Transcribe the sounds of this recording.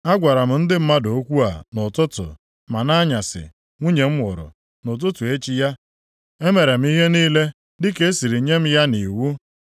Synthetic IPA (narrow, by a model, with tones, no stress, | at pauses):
a˦ɡʷa˨ɾa˨m̩˨n̩˦dɪ˦m̩˦ma˦do˨o˦kʷu˦a̰˨nʊ˨tʊ˦tʊ̰˨ | ma˨na˦ɲa˨sɪ̰˨ | ŋʷu˦ɲe˨m̩˦ŋʷʊ˨ɾʊ̰˨ | nʊ˨t̬ʊ˦tʊ˨e˦t͡ʃi˦ja˦ | e˦me˨ɾe˨m̩˦i˦ɦe˦niː˦le˦ | dɪ˦ke˦e˦si˨ɾi˨˦ɲe˦m̩˦ja˦ni˨wu˦